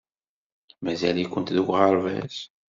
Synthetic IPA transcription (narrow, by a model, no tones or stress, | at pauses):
mæzælikʷːənt̪ðukʷʁəɾˤvæ̰s